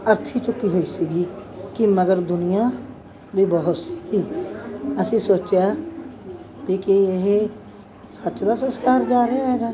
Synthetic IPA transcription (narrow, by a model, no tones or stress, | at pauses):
əɾt̪ʰit͡ʃʊkiɦoːisiɡiː | kiməɡəɾd̪ʊnijã | bʱibəɦʊt̪iː | əsĩsoːt͡ʃea | bikieɦe | sətːʃd̪aːsənskaːɾd͡ʒaːɾaɦɛːɡaː